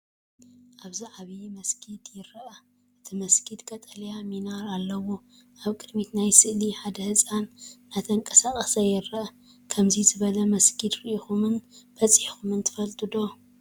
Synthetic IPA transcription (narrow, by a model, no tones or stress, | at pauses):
ʔaβziʕaβimɐskʰid̪jɪɾːɐʔa | ʔɨt̪ʰimɐskʰid̪kʼɐt̪ʼɐljaminaɾalːɐwo | ʔaβkʼɨd̪mit̪najsɨʔliħad̪ɐhɨsʼanːat̪ʰɐŋkʼɐsaχʼɐsɐjɪɾːɐʔɐ | kʰɐmzizɨβɐlɐmɐskʰid̪ɾiʔixumɨnbɐt͡sʼħixumɨnt̪ʰɨ̥fɐlt̪ʼɨd̪o̞